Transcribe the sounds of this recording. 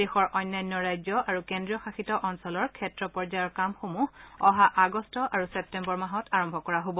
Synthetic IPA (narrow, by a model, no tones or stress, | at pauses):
dexɔɹʔɔjnːajnːɔɹajzɔʔaɹukendɹijɔxaxitɔʔɔnsɔlɔɹkʰɛtɹɔpɔɹzajɔɹkamxomuɦɔɦaʔaɡɔstɔʔaɹusɛp̚tɛmbɔɹmaɦɔtaɹɔmbʱɔkɔɹaɦobɔ